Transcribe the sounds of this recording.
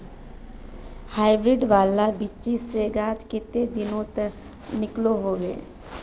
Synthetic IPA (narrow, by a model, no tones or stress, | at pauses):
haːɪbɾɪɖʋaːlabɪiseɡaːd͡ʒkɪt̪ed̪ɪnõt̪ə | nɪkloɦoːʋḛː